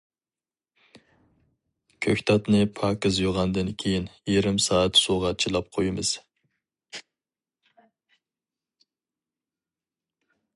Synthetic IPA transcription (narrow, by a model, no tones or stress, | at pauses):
kʲʰøkʲt̪ʰɑt̪nɨpʰɑːkɨzjoʁɑnd̪ɨnkʲʰejinjeɾɪmsɑːɛt̪soʁɑt͡ʃʰilˠɑp̚qʰojɪmɨz̥